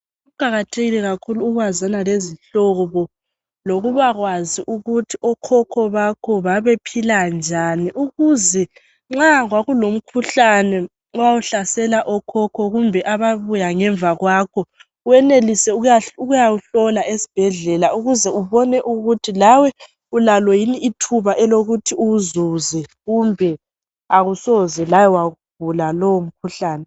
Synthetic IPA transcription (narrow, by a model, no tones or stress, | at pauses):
uɡ̥ʱaɣatʰeɣilɛɣakʰuluːɣwazanaleziɬɔβɔ | loɣuβaɣwaziʔuɣutʰiʔɔkʰɔkʰɔβakʰɔβaβepʰiland͡ʒʱaniʔuɣuzɛ | ŋ͡ǁaɣwaɣulom̩kʰuɬanɛ | ɔwawuɬasɛlaʔɔkʰɔkʰɔɣumbʱɛʔaβaβujaŋɛɱbvaɣwaːkʰɔ | uwɛnelisɛujauɣujawuɬɔlaʔesi̥b̥ʱɛɮɛlauɣuzɛuβɔnɛʔuɣutʰilawɛ | ulalwɔjiniːtʰuβaʔɛloɣutʰiuzuzɛɣumbʱɛ | aɣusɔzɛlajɔwaɣub̥ʱulalɔwom̩kʰuɬaːnɛ